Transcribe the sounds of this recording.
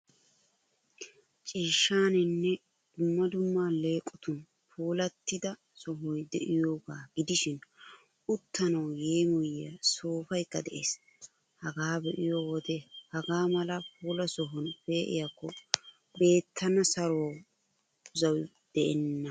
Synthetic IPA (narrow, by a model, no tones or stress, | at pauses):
t͡ʃʼiːʃːaːnɪnːɛ | d̪̥ʊmːɐd̪ʊmːaːle̞ːkʼːɔt̪ʊn | pʰuːlɐt̪ːɪd̪ɐ | sɔɦɔjd̪ɛʔɪjoːɡaːɡ̥ɪd̪ɪʃɪn | ʊt̪ːɐnɐwje̞ːmɔjjɐ̰soːfɐjkːɐd̪ɛʔeːs | hɐɡaːbɛʔɪjoːwɔd̪ɛhɐɡaːmɐlɐpuːlɐsɔɦɔnpeːʔɪ̰jakːɔ | be̞ːt̪ʰːɐnɐsɐɾo | ʊzɐw | d̪̥ɛʔɛnːɐ